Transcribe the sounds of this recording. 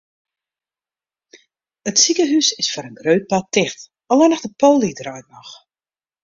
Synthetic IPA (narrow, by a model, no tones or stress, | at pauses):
ətsikəɦysɪsfʊːɾənɡrøːt̚patːɪxt | ɔlɛnɔxdəpoːlˠidrœjt̚mɔx